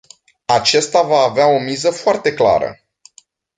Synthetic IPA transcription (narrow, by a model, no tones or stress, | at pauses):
at͡ʃest̪avaːveao̞mizəfoart̪e̞kla̰ɾə̰